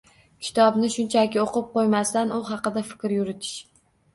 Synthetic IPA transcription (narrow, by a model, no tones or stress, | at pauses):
kʲʰɪ̥t̪ʰɒbnɪʃʊnt͡ʃʰakʲɪoqɨp̚qojmast̪anʊɦɑqɨd̪afɪ̥kʲɾjʊɾɪt̪ʰɪ̥ʃ